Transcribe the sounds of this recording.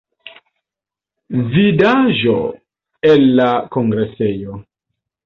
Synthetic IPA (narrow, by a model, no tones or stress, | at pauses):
vidaʒo | elːakoŋɡɾesejo